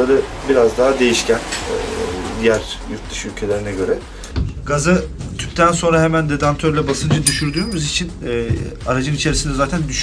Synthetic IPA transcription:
aɾɯ | biɾazd̪aɦad̪e̞jiʃcæn | d̪ijæɾjuɾt̪d̪ɯʃylʲcʰe̞lʲe̞ɾinɛɟøɾɛ | ɡazɯt̪ʰyp̚t̪ʰænso̞nɾaɦemænd̪ed̪ant̪ʰøɾlʲɛbasɯnd͡ʒad̪yʃyɾd̪yːmyzit͡ʃʰinɛːaɾad͡ʒɯnit͡ʃʰe̞ɾisind̪ɛzaːt̪ʰænd̪yʃ

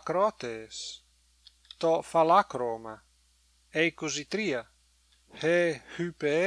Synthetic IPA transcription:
kɾɔt̪es | t̪ɔfalakɾoma | ejkuzit̪ɾia | hehype

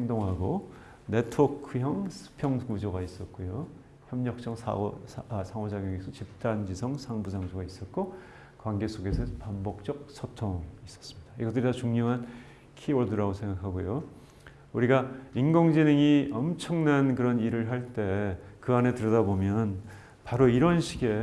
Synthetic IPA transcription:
heŋdoŋɦaɡo | ne̞tʰokʰɯjʌŋsʰɯ̥pʰjʌŋɡud͡ʑoɡais͈ʌt̚k͈ojo | çjʌmɲʌk̚t͡ɕ͈ʌŋsʰ | sʰaŋod͡ʑaɡjʌŋisʰʌt͡ɕip̚t͈and͡ʑisʰʌŋsʰaŋbusʰaŋsʰoɡais͈ʌt̚k͈o | kwanɡe̞sʰoɡe̞sʰʌpambok̚t͡ɕ͈ʌk̚sʰʌtʰoŋis͈ʌs͈ɯmɲidaiɡʌt͈ːɯɾitat͡ɕuŋɲoɦan | kʰiwʌɭduɾaɡosʰe̞ŋɡakʰaɡojo | uɾiɡainɡoŋd͡ʑineŋiʌmt͡ɕʰʌŋnankɯɾʌniɾɯɭɦaɭt͈e̞kɯane̞tɯɾʌdabomjʌn | paɾoiɾʌnɕʰiɡe̞

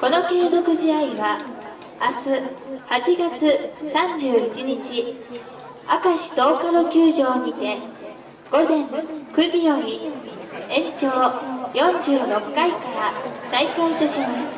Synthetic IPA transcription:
ko̞no̞ke̞ːzo̞kɯ̟ʑiaiβa | asɨhat͡ɕiɡat͡sɨsãɲd͡ʑɨːit͡ɕiɲ̟it͡ɕi | a̰kaɕi̥t̪o̞ːkaɾokʲɨːʑo̞ːɲit̪e̞ | ɡ̥o̞zẽ̞ŋkɯ̟ʑijo̞mʲi | ẽ̞ɲt͡ɕo̞ːjõ̞ɲd͡ʑɨːɾo̞kːaikaɾasaikait̪o̞ɕimasɨ̥

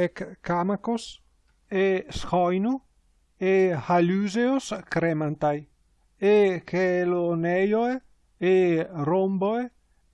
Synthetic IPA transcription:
ɛkkːamakos | esxɔjnu | ehalyzeoskɾɛmant̪aj | ekʰelonɛjoe | eromboe

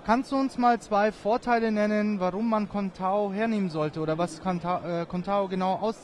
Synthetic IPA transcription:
kʰanstd̥uːʊnsmaːlt͡sv̥aɪfoːɐtʰaɪlənɛnənvaʁʊmːankʰɔntʰaoɦeːɐneːmənzɔltəʔoːdɐvaskːkʰɔntʰaoɡənaʊʔaʊs

